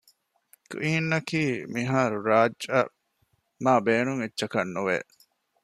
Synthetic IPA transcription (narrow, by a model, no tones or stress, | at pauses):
kʔiːnːɐkiːmiɦaːɾuɾaːd͡ʒɐ | maːbeːnuŋetːʃɐkɐnːuʋḛ